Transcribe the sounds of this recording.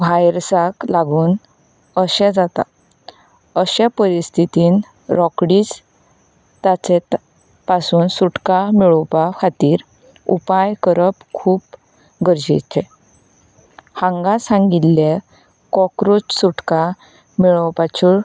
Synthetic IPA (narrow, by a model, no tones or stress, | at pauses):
ʋʱajɾsaklaɡuːn | əɕɛ̃d͡zat̪a̰ | əɕɛpəɾist̪ʰit̪iːn | ɾɔkɽiːt͡s | t̪at͡set̪ | pasuːnsuʈkamiɭɔwpakʰat̪iːɾ | ṵpajkəɾəpkʰuːp | ɡəɾd͡ʑḭt̪ʰẽ | hãŋɡasãŋɡit̪lːe | kɔkɾut͡ssuʈka | miɭɔwpat͡ɕuɭ